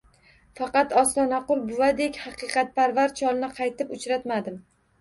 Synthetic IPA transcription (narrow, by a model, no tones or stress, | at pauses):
fɑqɑt̪ɒslanaqʊlˠbʊvad̪ekʲhɑqɨqɑt̪̚pʰaɾvaɾt͡ʃʰɒlˠnɪqʰɑjt̪ʰɪpʊt͡ʃɾat̪mad̪ɪm